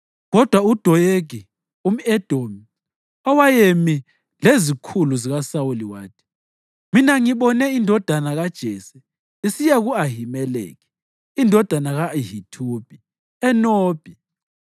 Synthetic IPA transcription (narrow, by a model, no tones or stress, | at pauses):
ɣɔd̥ʱwaud̥ʱɔjeɡ̥ʱi | um̩ɛd̥ʱomi | ɔwajemi | lezikʰuluziɣasawuliwaːtʰi̥ | minaŋiɓɔnɛindʱɔd̥ʱanaɣad̥ʒ̥ʱɛsɛ | isijaɣuaɦimɛlḛːɣi | indʱɔd̥ʱanaɣaɦitʰub̥ʱi | ɛnoːb̥ʱi